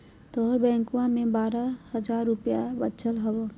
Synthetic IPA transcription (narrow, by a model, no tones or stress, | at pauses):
t̪oɾbɛ̃ːŋkuwãmẽbaːɾahɐd͡ʒaːɾːʊpjabət͡ʃəlɦɐwo